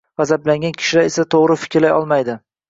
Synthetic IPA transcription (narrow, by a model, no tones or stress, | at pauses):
vazablaŋɡʲankʲʰɪ̥ʃɪlaɾe̞sat̪ʰoʁɾɪfɪ̥kʲʰɾlajɒlˠmajd̪ɪ